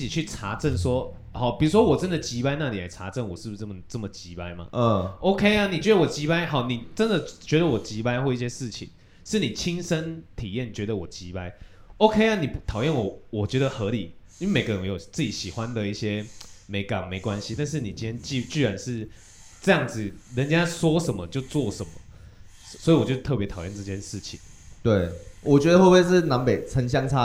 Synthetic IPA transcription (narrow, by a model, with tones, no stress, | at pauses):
t͡ɕi˨˩t͡ɕʰy˥˩ʈ͡ʂʰa˧˥ʈ͡ʂə˥˩nswɔ˦ | xɑ˨˩˦ʊpi˨˩ɻu˦˥ʂ̬wɔ˥wɔ˨˩t͡sə˦nd̪ə˨t͡ɕi˧˥pa˥ɪna˥˩li˨˩a˨˩ɪt͡sʰa˧˥ʈ͡ʂə˥˩nwɔ˨˩ʂɻ̩˥˩bu˧ə˥˩mə˨˩t͡sə˥˩mə˨˩t͡ɕi˧˦pa˥ɪma̰˨˩o˥ʊkʰe˥ɪa˨ni˨˩t͡ɕɥɛ˧˥d̪ə˨˩wɔ˨˩t͡ɕi˧˥pa˥ɪɦɑ˨˦ʊni˨˩t͡sə˦nd̪ə˨t͡ɕɥɛ˧˦˥d̪ə˨wɔ˨˩t͡ɕi˧˦˥pa˥ɪxwɔ˥˧i˥˩ɕ̬jɛ˥ʂɻ̩˥˩t͡ɕʰḭ˨˩ŋ | ʂɻ̩˥˩ni˨˩t͡ɕʰi˦˥ŋsə˦nt̪ʰi˨˩jɛ˥˩nt͡ɕɥɛ˧˥d̪ə˨wɔ˨˩t͡ɕi˧˥˦pa˦˥ɪ | o˥ʊkʰe˥ɪa˧ni˨˩pt̪ʰɑ˨˩ʊjɛ˥˩nwɔ˨˩wɔ˨˩t͡ɕɥɛ˧˥d̪ə˧˨xɤ˧˥li˨˩˦i˥we˥˩me˨˩ɡə˦ɻə˦nwe˧˥jo˨˩t͡sɹ̩˥˩t͡ɕi˨˥ɕi˨˩xwa˦nd̪ə˨i˥˩ɕjɛ˦me˧˥ɪka˨˩ŋme˧˥ɪkwa˦nɕi˧˦t̪a˥˧nʂ̬ɻ̩˥˩ni˨˩t͡ɕi˥nʰjɛ˥nt͡ɕi˥˧˥t͡ɕy˥˩ɻa˧˦nʂɻ̩˥˩ | ʈ͡ʂɤ˥˧jɑ˥˩ŋd͡zɹ̩˨ɻə˧˦nt͡ɕja˦˥swɔ˥ʂə˨˦nmə˦t͡ɕjo˥˧ʊt͡swɔ˥˩ʂə˨˦nmə˦ | swɔ˧˥i˨˩wɔ˨˩t͡ɕjo˥˧˩ʊt̪ʰɤ˥˩p̬jɛ˧˥t̪ʰɑ˨˩ʊjɛ˥˧nʈ͡ʂɤ˥˧˩t͡ɕjɛ˥˧nʂɻ̩˥˩t͡ɕʰi˨˦ŋt̪we˥˩ɪwʔɔ˨˩t͡ɕɥɛ˧˦d̪ə˨˧xwo˥˧pwe˥˧ɪʂɻ̩˥˩na˧˦npe˨˩ɪt͡sʰə˧˦ŋɕ̬jɑ˥ŋt͡sʰa˦˥